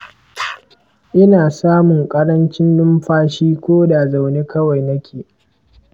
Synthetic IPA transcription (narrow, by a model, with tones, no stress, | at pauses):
ʔɪ˦naː˨saː˦mʊ˨ŋkʼɐ˦ɽɐ˦nt͡ʃɪ˦nlʊ˦mɸaː˦ʃiː˦kʷoː˦da˨za˨wneː˦kɐ˦wa˨jnɐ˦kʲʰeː˨